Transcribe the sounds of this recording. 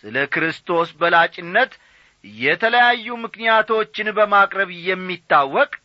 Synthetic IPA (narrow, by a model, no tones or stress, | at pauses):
sɨləkɾɨst̪ʰo̞sbəlat͡ʃʼɪnːət̪ | jɛt̪ʰələjajːumɨknijat̪ʰo̞t͡ʃːɪnbəmakʼɾəβjɛmːit̪ʰːawːɔkʼ